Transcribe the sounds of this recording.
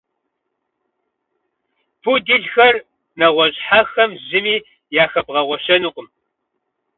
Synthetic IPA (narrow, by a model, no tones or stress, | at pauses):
pʰudiɮxɐr | nɐʁʷɔʑħaxɐmʑɪmiː | jaːxɐpʁɐʁʷɔʃɐnuːqəm